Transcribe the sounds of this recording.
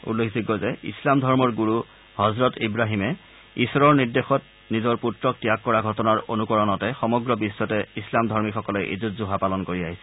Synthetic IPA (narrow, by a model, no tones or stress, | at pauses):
ṵlːekʰziɡɔzɛḭslamdʱɔɹmɔɹɡuɹu | hɔzɹɔtibɹaɦimɛ | isɔɹɔɹniɹdexɔt̚ | nizɔɹputɹɔk̚tijakːɔɹaɡʱɔtɔnaɹonukɔɹɔnɔtɛxɔmɔɡɹɔbisːɔtɛislamdʱɔɹmixʰɔkɔlɛʔḭzutzuɦapalɔnkoɹiaɦisɛ̥